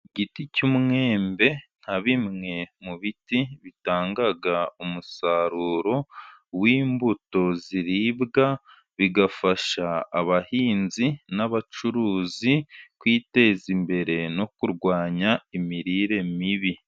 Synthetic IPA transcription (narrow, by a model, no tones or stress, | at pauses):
ɟiticumŋe̞ːmbe̞n̥haβimŋe̞muβitiβitaːŋɡaɡaumusaɾuːɾo̞wiːmbuto̞ziɾiβɡa | βiɡafaʃaːβahiːnzinaβat͡ʃuɾuːzikwiːte̞ːzimbe̞ɾe̞no̞kuɾɡwaːɲaimiɾiɾe̞miβi